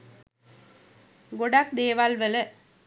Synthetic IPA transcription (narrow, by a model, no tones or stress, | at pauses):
ɡɔɽaːk̚d̪eːʋaːlʋɐlɐ